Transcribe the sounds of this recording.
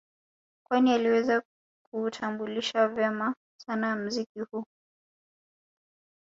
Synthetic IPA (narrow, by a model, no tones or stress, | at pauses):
kwanialiwɛza | k̚ʰuːtʰambuliʃavjɛma | sanam̩zikihuː